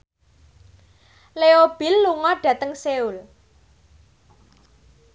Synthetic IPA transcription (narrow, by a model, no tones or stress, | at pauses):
leob̥ɪ̤lːuŋɔɖ̥ä̤t̪əŋseul